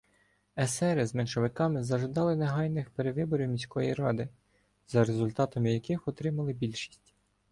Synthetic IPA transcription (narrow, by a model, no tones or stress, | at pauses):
ɛsɛɾɪzmɛnʃɔʋɪkɑmɪzɐʒɪd̪ɑlˠɪneɦɑjnɪxpeɾeʋɪbɔɾʲiwmʲisʲkɔjiɾɑd̪ɪ | zɐɾezʊlʲt̪ɑt̪ɐmɪjɐkɪxɔt̪ɾɪmɐlˠɪbʲilʲʃi̥sʲtʲ